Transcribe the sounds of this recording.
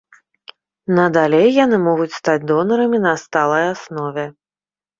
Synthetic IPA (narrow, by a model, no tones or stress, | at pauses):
nɐd̪alʲejːanɨmɔɣut͡sʲst̪ad͡zʲd̪ɔnɐɾɐmʲinɐst̪alˠɐjasnɔvʲɛ